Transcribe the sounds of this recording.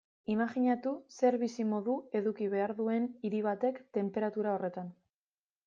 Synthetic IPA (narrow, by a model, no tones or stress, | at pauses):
imaʝiɲat̪use̞ɾβisimo̞ðue̞ðukiβe̞aɾðue̞niɾiβ̞at̪e̞kt̪e̞mpe̞ɾat̪uɾao̞re̞t̪an